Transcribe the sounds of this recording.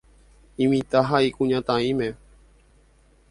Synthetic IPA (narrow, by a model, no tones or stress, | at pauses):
ĩmĩt̪aɦaikũɲãt̪ãĩmẽ